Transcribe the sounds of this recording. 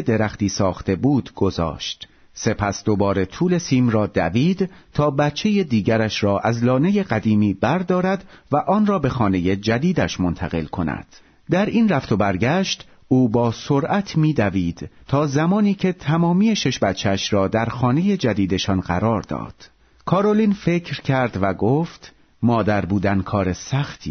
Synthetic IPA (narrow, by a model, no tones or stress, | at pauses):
ed̪e̞ɾæxt̪iːsɒːxt̪e̞buːd̪ɡ̥o̞zɒ̰ːʃt̪ | se̞pʰæsd̪o̞bɒːɾe̞t̪ʰuːle̞siːmrɒːd̪æ̰viːd̪t̪ʰɒːbæt̪t͡ʃʰːe̞jed̪iːɟæɾæʃɾɒːʔæzlɒːne̞je̞ɢæd̪iːmiːbæɾd̪ɒːɾæd̪væʔɒːnrɒːbe̞xɒːne̞je̞d͡ʒæd̪iːd̪æʃmont̪ʰæɣe̞̰lkʰo̞næ̰d̪̥ | d̪æɾinræft̪ʰo̞bæɾɟæʃt̪ | uːbɒːsoɾʔæt̪ʰmiːd̪æviːd̪̥t̪ʰɒːzæmɒːniːcʰe̞t̪ʰæmɒːmije̞ʃe̞ʃbæt̪t͡ʃʰːeæʃɾɒːd̪æɾxɒːne̞je̞d͡ʒæd̪iːd̪e̞ʃɒnɢæ̰ɾɒːɾd̪ɒ̰ːd̪̥ | kʰɒːɾoliːnfe̞cʰɾcʰæɾd̪væɡoːft̪ | mɒːd̪æɾbuːd̪ænkʰɒːɾe̞sæxt̪ʰḭː